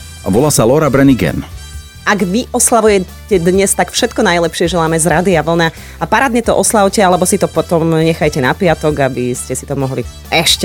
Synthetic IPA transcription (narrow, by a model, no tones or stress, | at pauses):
a̰ʋɔlaːsalɔɾabɾɛniɡɛ̰m | aɡʋiʔɔslaʋujɛ | cɛd̪ɲɛst̪akfʃɛt̪kɔnajlɛpʃɪɛʒɛlaːmɛzɾaːd̪iaʋl̩na | apaɾaːd̪ɲɛt̪ɔʔɔslaʊcɛalɛbɔsit̪ɔpɔt̪ɔmɲɛxajcɛnapɪat̪ɔɡabiscɛsit̪ɔmɔɦli | ɛʃcɛ